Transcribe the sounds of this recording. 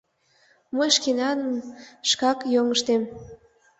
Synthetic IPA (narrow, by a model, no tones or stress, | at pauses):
məjʃkenɑnəmʃkɑkjoŋəʃt̪em